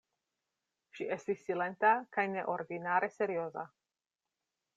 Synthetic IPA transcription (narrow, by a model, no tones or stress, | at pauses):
ʃie̞stisːile̞ntakajne̞ʔo̞ɾdinaɾʔe̞se̞ɾio̞za̰